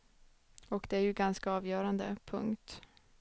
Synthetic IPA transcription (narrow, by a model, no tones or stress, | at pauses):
ɔkd̪ɛæɾjɵɡanskaɑːvjœːɾand̪əpʰɵ̰ŋkt̪